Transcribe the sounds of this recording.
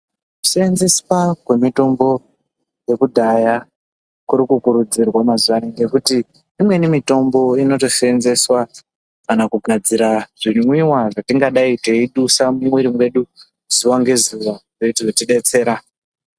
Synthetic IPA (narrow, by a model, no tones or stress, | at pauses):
u̥senzesi̥pakwe̞mito̞mbo̞ | je̞kudʱaja | kuɾikukuɾud͡zirwamazuʋaneŋɡe̞kuti | imwe̞nimito̞mbo̞ino̞to̞ʃe̞nze̞swa | kanakuɡʱad͡ziɾaʐimwiwaʐatiŋɡaɗaite̞iɗusamumwiɾimwe̞ɗu | z̥uʋaŋɡe̞zuʋaʐoutiʐotiɗe̞t͡se̞ːɾa